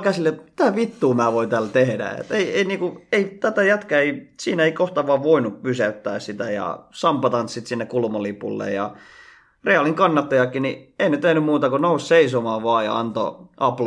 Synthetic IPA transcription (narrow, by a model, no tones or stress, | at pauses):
kæsilːet̪mit̪æʋit̪ːuːmæːʋoint̪æːlt̪ehdæ̰ḛt̪eieiniːkueit̪æt̪æjæt̪kæeisiːnæeikoht̪ɑʋɑːʋʋoinuppysæyt̪ːæ̰ːssit̪æjɑ̰sɑmpɑt̪ɑnssit̪sinːekulmolipṵlːḛjɑ̰ | reɑliŋkɑnːɑt̪ːojɑkːinieinet̪ehnymmuːt̪ɑkonousseisomɑːʋoɑːjɑ̰ɑ̰nt̪o̰ʔɑpl